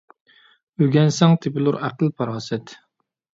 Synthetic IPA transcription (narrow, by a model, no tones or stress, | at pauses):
øɡʲɛnsɛŋt̪ʰɪpɪlˠuɾæqəlˠpʰɑɾɑːsɛt̪